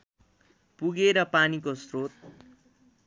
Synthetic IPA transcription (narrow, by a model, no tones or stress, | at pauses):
puɡeɾʌpanikosrot̪̚